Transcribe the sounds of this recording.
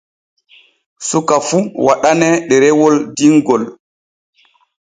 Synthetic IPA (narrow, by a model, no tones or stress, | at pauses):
sukafuwaɗanɛɗɛɾɛwɔldiŋɡɔl